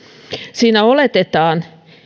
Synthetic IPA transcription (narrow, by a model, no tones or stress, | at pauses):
siːnæolet̪et̪ɑːn